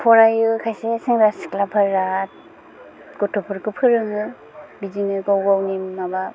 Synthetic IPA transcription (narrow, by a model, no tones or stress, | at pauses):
pʰɔɾajɯkʰajsesiŋɾasi̥klapʰaɾːat̚ | kɔtʰɔpʰuɾkɯpʰɯɾɯŋɯ | biziŋɯɡawɡawnimːaba